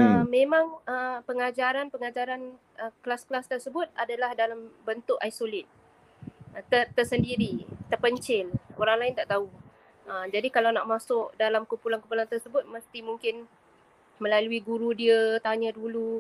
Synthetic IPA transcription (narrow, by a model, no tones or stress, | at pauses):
əmẽmãŋəpəŋad͡ʒaɾanpəŋad͡ʒaɾan | ʔəkəlasklast̪ərsəbʊt̪̚adalahdalambənt̪ʊʔajsolɪt̪̚ | əət̪əsəndiɾit̪ərpəɲt͡ʃɪloɾaŋlaɪnt̪aʔt̪au | əmd͡ʒadikalawnaʔmasʊʔdalamkumpulankumpulant̪ərsəbʊt̪̚məst̪imuŋkɪn | mə̃laluiɡuɾudiət̪aɲədulu